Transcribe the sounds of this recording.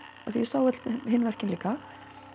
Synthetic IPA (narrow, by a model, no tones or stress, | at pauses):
aθi̥sawœt̪lɦɪnːvɛr̥cɪnliːka